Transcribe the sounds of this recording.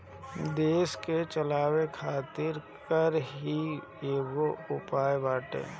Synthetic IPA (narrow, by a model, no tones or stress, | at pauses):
d̪eːsket͡ʃəlaːwekʰaːt̪ɪɾkəɾɦi | eːɡoʊpaːebaːʈḛː